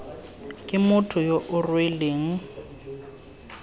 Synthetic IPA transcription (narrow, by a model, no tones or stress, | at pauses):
kʼɪmʊtʰʊjoʔʊrweleːŋ̩